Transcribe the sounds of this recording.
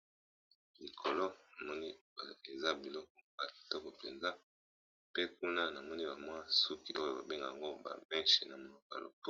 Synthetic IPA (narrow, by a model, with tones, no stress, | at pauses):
li˨kʰo˨lo˦na˨mɔ˦ni˦˨ | e˨za˦bi˨lɔ˦k̚ɔ˨ba˨tɔ˦kɔ˨pḛ˨nza˦ | pe˦k̚u˦na˦na˨mɔ˦ni˦ba˨mwa˦su˦ki˦ʔo˦jo˨ba̰˨be˦ŋɡa˨a˨ŋɡo˦ba̰˨mɛ˦ʃe˨na˨mo˨lo˨ka̰˨lʔo̰˨p